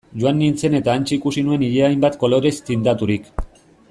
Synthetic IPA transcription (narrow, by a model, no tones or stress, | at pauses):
ʝoanːint͡se̞ne̞t̪aːnt͡ʃiikusinue̞niʎeajmbat̪ko̞lo̞ɾe̞st̪ind̪at̪uɾik